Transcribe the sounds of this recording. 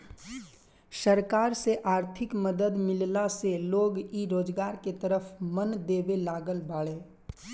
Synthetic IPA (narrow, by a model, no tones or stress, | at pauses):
səɾkaːɾseʔaːɾt̪ʰɪkməd̪əd̪mɪllaseloːɡiɾoːd͡ʒɡaːɾket̪əɾəfʰmənd̪eːʋelaːɡəlbaːɭeː